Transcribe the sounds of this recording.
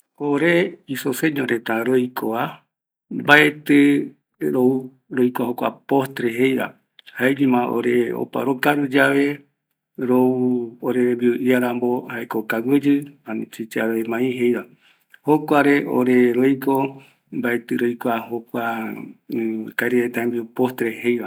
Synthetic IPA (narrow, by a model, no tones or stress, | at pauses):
oɾeisoseɲõɾet̪aɾojkʰoa | mbaet̪ɨ | ɾou | ɾojkʷahokʷa̰post̪ɾeɦejɾa̰ | haeɾimãʔo̰ɾeo̰pa̰ɾokaɾud͡ʒaβe | ɾouoɾembiuʔiaɾambo̞haekokawɨd͡ʒɨanĩt͡ʃit͡ʃaɾoemãĩɦe̞jɾa | hokʷaɾe̞ʔo̰ɾe̞ɾojko | mbae̞t̪ɨɾojkʷahokʷa | kaeɾeet̪ãẽmbiupost̪ɾehe̞jβa